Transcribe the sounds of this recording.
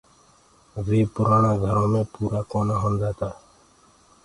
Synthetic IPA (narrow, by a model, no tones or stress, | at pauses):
ʋeːpʊɾaːnaːɡʱəɾõːmẽːpuːɾaːkoːnaːɦənd͡ʒaːt̪aː